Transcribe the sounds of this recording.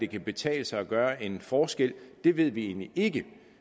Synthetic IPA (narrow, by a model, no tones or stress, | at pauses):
d̥e̝kʰæb̥e̝t͡sʰɛ̰ːləsɑ̈ɪɒɡ̥ɶːɐʔe̝nfɒːsɡ̥el̰d̥e̝ʋe̝ð̞̰ˠʋie̝̰ːn̰liʔe̝ɡ̥ə